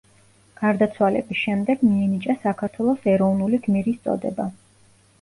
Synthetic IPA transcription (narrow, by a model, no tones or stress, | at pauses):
ɡ̥aɾd̪at̪sʰwalɛ̰bisʃɛmd̪ɛɡmiɛnit͡ʃʼasakʰaɾt̪ʰwɛlˠɔsɛɾɔvnuliɡmiɾist̪sʼɔ̰d̪ɛ̰ba